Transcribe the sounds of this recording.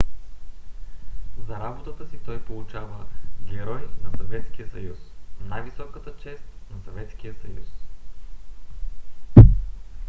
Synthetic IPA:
zɐɾabot̪ət̪əsit̪ɔjpolˠut͡ʃavəɡʲɛɾɔjnɐsɐvɛt̪sk̟ijəsɐjusnajvisɔkət̪ət͡ʃɛst̪nɐsɐvɛt̪sk̟ijəsɐjṵs

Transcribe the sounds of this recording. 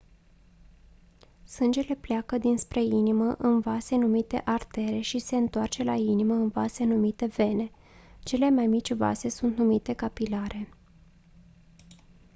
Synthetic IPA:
sɨnd͡ʒe̞le̞plejakəd̪inspɾe̞iniməʔɨnvase̞numit̪e̞̰ʔart̪e̞ɾe̞ʃise̞ɨnt̪oart͡ʃe̞lainiməɨnvase̞numit̪e̞ve̞ne̞ | t͡ʃe̞le̞majmit͡ʃʲva̰se̞sunt̪numit̪e̞kapilaɾʔe̞

